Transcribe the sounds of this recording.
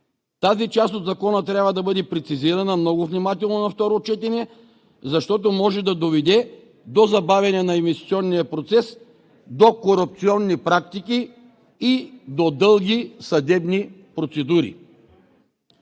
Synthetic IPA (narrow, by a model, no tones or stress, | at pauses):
t̪azit͡ʃast̪od̪zɐkɔnət̪ɾʲjabvɐd̪ɐbɤd̪ɛpɾɛt̪siziɾɐnɐmnɔɡʊvnimat̪ɛlˠnonɐft̪ɔɾot͡ʃɛt̪ɛnɛ | zɐʃt̪ɔt̪omɔʒɛd̪ɐd̪ovɛd̪ɛ | d̪ozɐbavʲɐnɛnɐimvist̪it̪iɔnːijɐpɾot̪sɛs | d̪okoɾup̚t̪siɔnːipɾak̚t̪iki | id̪od̪ɤlˠɡʲisɐd̪ɛbnipɾot̪sɛd̪uɾḭ